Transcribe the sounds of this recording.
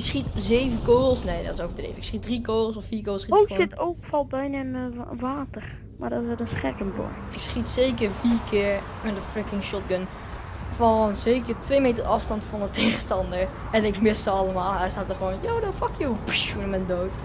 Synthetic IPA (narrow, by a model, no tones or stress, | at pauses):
ɪksχitzeːvəkoːlˠsneːdɔtɪsowvəɹdrḛːvɪksχit̚drikoːlˠsɔfiːɹkoːlˠsχiokɪtowkfɑlˠt̚bɛjnɛnəʋaːtər | madɔtɪsɛəsχɛkənbɔ̰ɹ | ɪksχitseːkəɹfiːɹkʰɪəɹ | ɪndəfrəkɪŋʃɔt̚ɡən | fɔnzeːkəɹtʋejmetərʔɑfstɑntfɑndətʰeːχəstɑndəɹ | ɛnɪkmɪstəɑlˠəmaːlˠɛjstaːtəχəʋoːnjoːdɔnfɑkjowpʃunəmɛndoːt